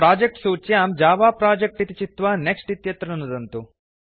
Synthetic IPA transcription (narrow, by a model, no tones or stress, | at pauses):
pɾaːd͡ʒek̚ʈsuːt͡ʃjaːmd͡ʒaːʋaːpɾaːd͡ʒek̚ʈit̪it͡ʃit̪ʋaːneksʈit̪jɐt̪ɾɐnɐnud̪ɐnt̪u